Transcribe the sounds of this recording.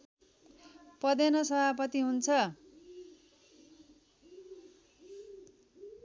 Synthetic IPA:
pʌd̪enʌsʌbapʌt̪iɦunt͡sʰʌ

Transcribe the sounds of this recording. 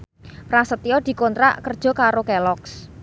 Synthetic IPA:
pɾasət̪iɔd̪̥i̤kont̪ɾa̰ʔkərd̥ʒ̥ɔ̤kaɾokɛlɔks

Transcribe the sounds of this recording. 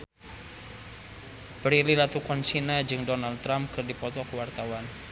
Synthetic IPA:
bəɾililat̪ukɔnsinad͡ʒɨŋdɔnaldt̪ːɾampkɨrdipɔt̪ɔkwart̪awan

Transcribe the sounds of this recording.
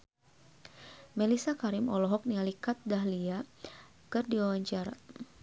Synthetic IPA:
mɛlisakaɾimɔlɔɦɔk̚nialikat̪̚daɦlia | kɨrdiwawaɲt͡ʃaɾa̰

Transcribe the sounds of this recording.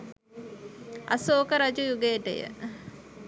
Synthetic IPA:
ɐ̰soːkəɾad͡ʒujuɡeʈə̰jə̰

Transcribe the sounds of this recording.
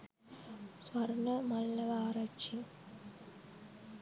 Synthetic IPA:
swɐɾnɐmɐlːɐʋaːɾɐt͡ʃi

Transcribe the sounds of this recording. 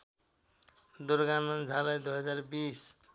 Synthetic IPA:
d̪uɾɡanʌnd͡zʱalajd̪ujɦʌd͡zarbis

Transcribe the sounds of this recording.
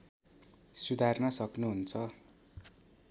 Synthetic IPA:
sud̪ʱarnʌsʌknuɦunt͡sʰʌ

